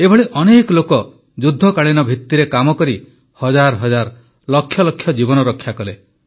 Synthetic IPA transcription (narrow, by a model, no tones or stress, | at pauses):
ebʱɔɭiʔɔnekɔlokɔ | d͡ʒud̪ʱːɔkaɭ̃inɔbʱit̪ːiɾekamɔkɔɾi | hɔd͡ʒaɾɦɔd͡ʒaɾ | lɔkʰːjɔlɔkʰːjɔd͡ʒibɔnɔɾɔkʰjakɔle